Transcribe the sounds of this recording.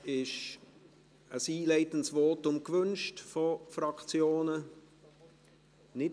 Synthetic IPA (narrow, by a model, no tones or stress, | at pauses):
ɪʃ | əsiːlɛɪtən̩tsvɔːtʊmkvʏnʃtfofrɑkt͡sjoːnə | nɪ